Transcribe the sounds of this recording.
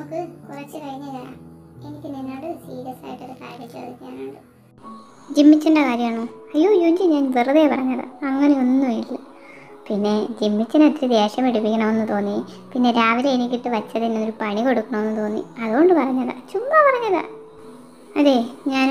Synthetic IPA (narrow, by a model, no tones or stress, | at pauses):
nɐmukːɨkurɐt͡ɕːɨkɐɻiɲːɐða | enikʲːɨninːaːɽɨsiːɾiɐsa̰ːjɐʈːɐɾɐka̰ːɾɐtːɐðɨɲaːnaːɽɨ | d͡ʑimːit͡ɕːɐɳɖɐkaːɾjɐmaːɳoɐjːo̞ːjuːɲd͡ʑiɲaːnʋirɐðeːpɐ̰rɐɲːɐðɨ̰ɐŋːɐne̞onːumilːɐ | pinːe̞d͡ʑimːit͡ɕːɐnet̪ːiɾɨd̪e̞ːɕɐmeɽipːikʲːɐɳɐme̞nːɨt̪o̞ːnːi | pinːe̞ɾaːʋileːnikʲːiʈːɨʋɐt͡ɕːɐðinːoɾupɐɳiko̞ɽukːuɳɐme̞nːɨt̪o̞ːnːḭɐðuɣo̞ɳɖɨpɐrɐɲːɐða̰t͡ɕumːaːpɐrɐɲːɐða̰ | ɐðe̞ːɲaːn